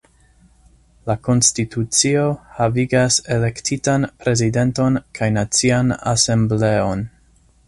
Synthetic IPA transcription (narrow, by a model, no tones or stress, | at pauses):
lako̞nstitut͡sio̞haviɡase̞le̞ktʰitanpɾe̞zide̞nto̞nkʰajnat͡siana̰se̞mble̞o̞n